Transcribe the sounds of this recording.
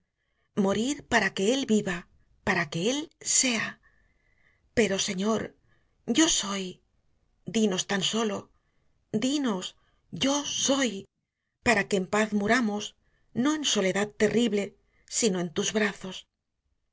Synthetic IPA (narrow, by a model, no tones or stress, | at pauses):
mo̞ɾiɾpaɾake̞e̞lβiβa | paɾake̞else̞a | pe̞ɾo̞se̞ɲo̞ɾ | ɟ͡ʝo̞so̞j | d̪ino̞st̪anso̞lo̞ | d̪ino̞s | ʝo̞so̞j | paɾake̞ːmpaθmuɾamos | no̞e̞nso̞le̞ðaðt̪e̞rʔiβle̞ | sino̞e̞nt̪uzβɾaθo̞s